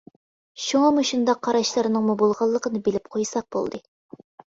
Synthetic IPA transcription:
ʃuŋɑmuʃund̪ɑqʰːɑɾɑʃlˠɑɾnɨŋmubolˠʁɑlˠːəqənɨbelɪp̚qʰojsɑq̚b̥o̰lˠd̪ɨ

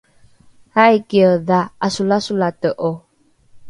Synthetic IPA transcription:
hajkiəðaasulasulat̪əʔo

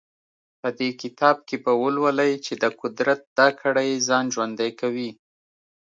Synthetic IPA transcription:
pəd̪ekɪt̪ɑb̚kebəwəlwəlajt͡ʃed̪əqʊd̪ɾat̪̚d̪̥ɑkʰəɽajzɑnʒwand̪ajkawi

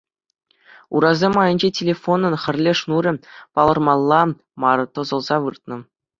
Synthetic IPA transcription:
uɾɑzʲemɑjɤ̆nʲd͡ʑetʲelʲefonɤ̆nχʲɘ̆rʲlʲeʂnuɾʲɘ̆pɑlˠɤ̆rmɑlˠːɑ | mɑɾɤ̆t̪ɤ̆zɤ̆lˠzɑʋɯrt̪nɤ̆

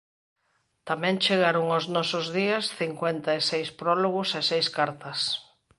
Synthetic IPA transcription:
t̪amɛ̃ŋt͡ʃeɣaɾʊŋoznɔsʊzðiɐsθiŋkwent̪aesejspɾɔloɣʊsesejskaɾt̪ɐs

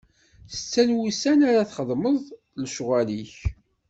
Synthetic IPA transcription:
θə̥t͡sːænwusænaɾaθχəðˤməðˤ | lʃʁæliç

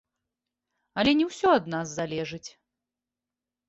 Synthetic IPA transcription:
ɐlʲɛnʲɛwsʲɔɐd̪nazzalʲɛʐɨt͡sʲ

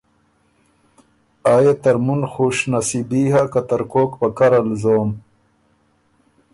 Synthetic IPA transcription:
aːjet̪ɐɾmunxuːʂnasibiːɦakat̪ɐɾkoːkpɐkɐɾalzoːm

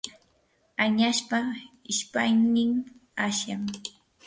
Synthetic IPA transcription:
aɲaʃpaɪʃpajnɪmaʃjaŋ

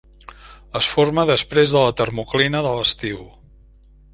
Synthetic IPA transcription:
əsforməðəspɾezðələt̪ərmuklinəðələst̪iw

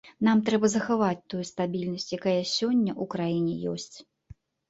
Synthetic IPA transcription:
namt̪ɾɛbɐzɐxavat͡sʲt̪ujust̪abʲilʲnɐsʲt͡sʲjakajɐsʲɔnʲːɐʔukɾajinʲɛ̰jɔ̰sʲt͡sʲ

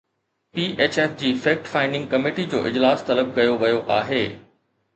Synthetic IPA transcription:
piːʔeːt͡ɕeːfd͡ʑiːfeːk̚ʈfaːɪɳɖɪ̃ŋɡ̚kɐmeːʈid͡ʑo̰ːʔɪd͡ʑlaːst̪ɐləb̚kɐjoʋɐjoʔaːɦeː

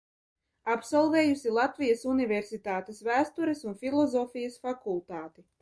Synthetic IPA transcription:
apsɔlˠvɛːjusilˠat̪vʲijɐsunʲivʲɛɾsit̪aːt̪esvæːst̪uɾɛsunfʲilˠɔzɔːfʲijɐsfakulˠt̪aːt̪i

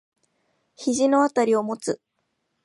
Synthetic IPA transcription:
çiʑino̞at̪aɾʲio̞mo̞t͡sɨ

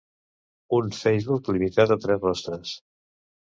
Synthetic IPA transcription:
unfɛjzβuklimit̪at̪ət̪ɾɛzrɔst̪ɾəs

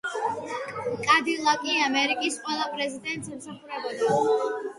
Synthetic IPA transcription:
kʼad̪ilˠakʼiamɛɾikʼisqʼwɛlˠapʼɾɛzid̪ɛnt̪ʼsɛmsaχuɾɛbɛba

